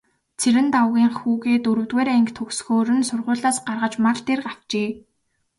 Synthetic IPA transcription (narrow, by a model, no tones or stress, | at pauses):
t͡sʰeɾɘ̆nt̪awɣʲiːŋχuːɣeːt̪ɵɾɵ̆wt̪weːɾæŋkt̪ʰɵksxoːɾɘ̆nsʊrʁʊːɮaːsɢarʁə̆t͡ɕmart̪eːrɢaw̥t͡ɕeː